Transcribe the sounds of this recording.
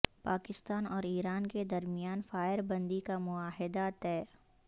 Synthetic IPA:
paːkɪst̪aːnɔːɾiːɾaːnked̪ɐɾmɪjaːnfaːɪɾbɐ̃nd̪ikamʊaːɦɪd̪at̪ɛːɾ

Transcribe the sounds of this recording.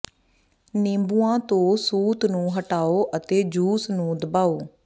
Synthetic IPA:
nẽːmbuːãːt̪õːsuːt̪nũːɦəʈaːoːʔət̪eːd͡ʒuːsnũːd̪əbaːoː

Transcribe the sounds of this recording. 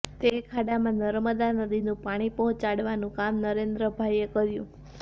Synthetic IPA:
t̪ekʰaɽamãnəɾməd̪anəd̪inũpaɽ̃ipɔɦɔ̃t͡ʃaɽʋanũkamnəɾend̪ɾəbʱaiekəɾjũ

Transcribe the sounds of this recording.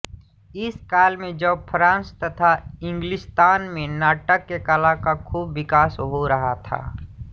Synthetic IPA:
ɪskaːlmẽd͡ʒɐbpʰɾãːnst̪ɐt̪ʰaɪ̃ŋɡlɪst̪aːnmẽnaːʈəkːekalakakʰuːbːɪkaːsɦoɾɐɦat̪ʰa̰ː

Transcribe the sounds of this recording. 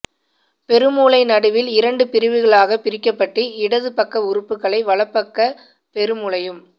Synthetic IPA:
pɛɾɯmuːlɐɪnɐɽɯʋɪlɪɾɐɳɖɯpɪɾɯʋɯɣɐɭaːɣɐpɪɾɪkːɐpːɐʈːɯɪɽɐðɯpɐkːɐʊɾɯpːɯkːɐɭɐɪʋɐɭɐpːɐkːɐ | pɛɾɯmʊɭɐjɯm

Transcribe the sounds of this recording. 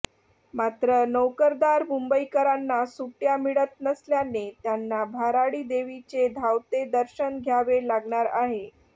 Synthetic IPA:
mat̪ɾənəwkəɾd̪aɾmumbəikəɾanːasuʈjamiɭət̪nəsljanet̪janːabʱaɾaɽiːd̪eʋit͡sed̪ʱawt̪ed̪əɾɕənɡʱjaʋelaɡɳaɾaɦe

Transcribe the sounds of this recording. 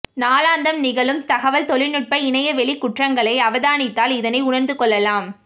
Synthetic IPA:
naːlaːnd̪ɐmnɪɣɐɭɯmt̪ɐɣɐʋɐlt̪ɔɭɪnɯʈ̚pɐɪɳɐjɐʋɛɭɪkːʊʈrɐŋɡɐɭɐɪɐʋɐðaːnɪt̪ːaːlɪðɐnɐɪʊɳɐnd̪ɯkɔɭːɐlaːm

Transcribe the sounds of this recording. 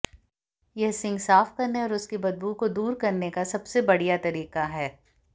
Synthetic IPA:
jɛɦsɪ̃ŋɡsaːfkɐɾneɔːɾʊskibɐd̪̚buːkod̪uːɾkɐɾnekasɐbsebɐɽijat̪ɐɾiːqaɦɛː

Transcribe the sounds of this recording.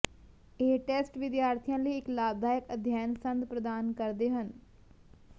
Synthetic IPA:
eːʈeːsʈʋɪd̪jaːɾt̪ʰijãːləiːɪklaːb̚d̪ʱaːjəkəd̪ʱjaːnsə̃nd̪pɾəd̪aːnkəɾd̪eːɦən

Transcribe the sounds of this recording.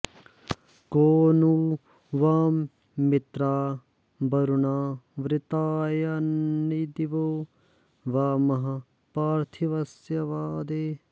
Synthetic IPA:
koːnu | ʋaːmː | ɪt̪ɾaː | bɐɾunaːʋɾɪt̪aːjɐnːid̪iʋoː | ʋaːmɐɦɐ | paːɾt̪ʰiʋɐsjɐʋaːd̪eː

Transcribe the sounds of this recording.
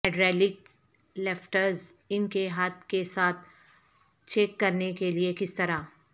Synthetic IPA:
ɛɖɾɛːlɪk | lɛfʈəɾz | ɪnkeɦaːt̪̚kesaːt̪̚ʰ | t͡ʃeːkːɐɾnekeliekɪst̪ɐɾa

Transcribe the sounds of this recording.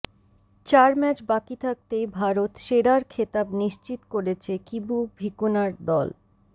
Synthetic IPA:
t͡ɕaɾmɛt͡ɕbakit̪ʰak̚t̪ejbʱaɾot̪ʃeɽaɾkʰet̪abniʃt͡ɕit̪koɾet͡ɕʰekibubʱikunaɾd̪ɔ̰l

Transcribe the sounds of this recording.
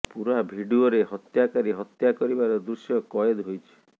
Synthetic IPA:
puɾabʱiɖioɾeɦɔt̪jakaɾiɦɔt̪jakɔɾibaɾɔd̪ɾusjɔkɔjed̪ɦojt͡ʃʰi̥

